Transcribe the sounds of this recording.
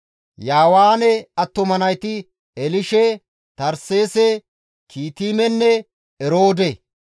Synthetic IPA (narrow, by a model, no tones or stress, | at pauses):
jaːwaːnɛɐt̪ːɔmɐnɐjt̪ɪ | ɛlɪʃɛ | t̪ɐɾse̞ːsɛ | kʰiːt̪iːmɛnːɛ | ɛɾoːd̪ɛ